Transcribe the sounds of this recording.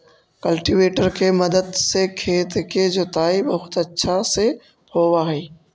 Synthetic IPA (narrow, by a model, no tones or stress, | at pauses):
kɐlʈiʋeːʈəɾkemɐd̪əd̪sekʰeːt̪ked͡ʑoːt̪aːibɐɦʊt̪ɐtːʃʰase | hoːʋaɦeː